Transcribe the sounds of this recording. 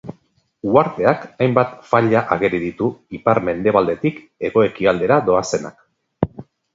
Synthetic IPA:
uaɾt̪e̞akajmbat̪faʎaʔaɣe̞ɾiðit̪uipaɾme̞nd̪e̞β̞ald̪e̞t̪ik | e̞ɣo̞e̞kiald̪e̞ɾad̪o̞ase̞na̰k̚

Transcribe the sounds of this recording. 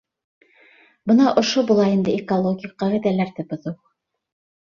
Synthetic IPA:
bɤ̆nɑʔŏʃobulˠɑind̪ɘekolˠoɡʲijqːɑʁĭðælæɾt̪ɘ̆pŏðuw

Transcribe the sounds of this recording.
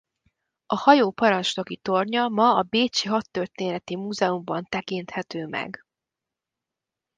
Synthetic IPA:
ɒhɒjoːpɒɾɒnt͡ʃno̞kit̪o̞rɲɒmɒɒbeːt͡ʃiɦɒt̪ːørt̪eːnɛt̪imuːzɛumbɒnt̪ɛkint̪hɛt̪øːmɛ̰ɡ

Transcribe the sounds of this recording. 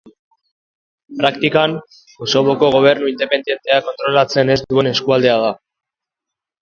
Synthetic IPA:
pɾakt̪ikan | oso̞βo̞ko̞ɣ̞o̞β̞e̞ɾnuind̪e̞pe̞nd̪je̞nt̪e̞ako̞nt̪ɾo̞lat͡se̞ne̞zd̪ue̞ne̞skuald̪e̞að̞a

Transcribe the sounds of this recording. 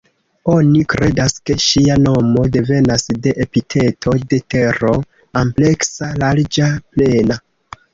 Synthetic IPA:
o̞nikɾe̞daske̞ʃiano̞mode̞ve̞nasde̞ʔepitʰe̞tʰo̞de̞te̞ɾo̞ | ample̞ksalaɾd͡ʒaple̞na

